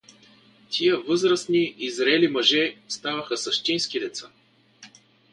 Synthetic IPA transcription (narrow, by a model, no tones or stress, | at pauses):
t̪ʰʲijəvɤzɾəsniʔizɾɛlimɐʒɛst̪avəxəsɐʃt̪inskid̪ɛt̪sa